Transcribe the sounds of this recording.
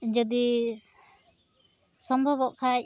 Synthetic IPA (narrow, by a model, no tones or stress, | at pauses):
d͡ʒɔd̪i | sɔmbʱɔbɔʔkʰac̚